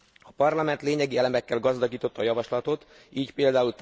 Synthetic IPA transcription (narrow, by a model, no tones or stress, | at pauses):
ɒpɒrlɒmɛnt̪leːɲɛɡiɛlɛmɛkːɛlɡɒzd̪ɒɡiːt̪o̞t̪ːɒjɒvɒʃlɒt̪o̞t̪ | iːcpeːld̪aːult̪